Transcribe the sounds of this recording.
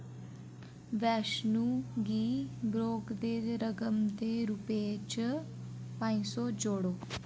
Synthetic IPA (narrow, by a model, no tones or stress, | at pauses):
ʋɛʃnuɡiːbɾoːɡd̪eːd̪ɾəɡəmt̪eɾupt͡ʃ | pãjsod͡ʒoːɽoː